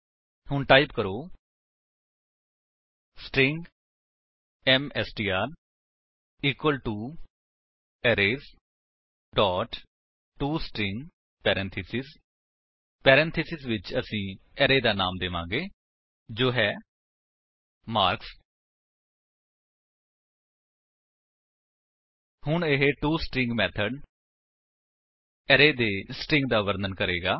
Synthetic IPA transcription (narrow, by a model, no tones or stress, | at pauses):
hʊɳʈaːɪpkəɾoː | sʈɾɪŋɡ | ɛːmɛːsʈiːaːɾ | iːkwəlʈuː | ɛːɾeːz | ɖɔːʈ | ʈuːsʈɾɪ̃ŋɡ | pɛːɾɛ̃nt̪ʰɪsɪs | pɛːɾɛ̃ːnt̪ʰɪsɪsʋɪt͡ʃəsĩː | ɛɾeːd̪aːnaːmd̪eʋã̰ːɡeː | d͡ʒoːɦɛː | maːɾks | hʊɳɪɦeʈuːsʈɾɪ̃ŋɡmɛːt̪ʰəɖ | ɛɾeːd̪eːsʈɪ̃ŋɡ̚d̪aːʋəɾd̪ənkəɾeːɡaː